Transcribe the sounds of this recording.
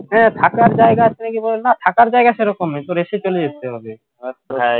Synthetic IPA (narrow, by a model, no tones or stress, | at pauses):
ɦɛt̪ʰakaɾd͡ʑaeɡat̪inikibolenːat̪ʰakaɾd͡ʑaeɡaʃeɾɔkomet̪oɾeʃet͡ɕolejeeɦobe